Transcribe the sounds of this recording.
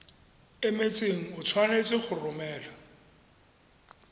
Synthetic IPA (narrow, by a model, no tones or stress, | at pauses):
ɪmet͡seŋ̩ʊt͡sʰwanet͡sʼɪk͡xʰʊrʊmɛːlɔ